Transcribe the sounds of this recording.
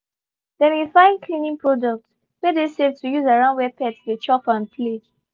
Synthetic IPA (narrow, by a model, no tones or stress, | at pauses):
dɛ̃nifãɪ̃nkʰlĩnĩŋpʰɹɔdɔk̚t | wɛdesɛvtujuzaɹãʊ̃ndwɛpɛtsdet͡ʃɔpãnpʰled͡ʒ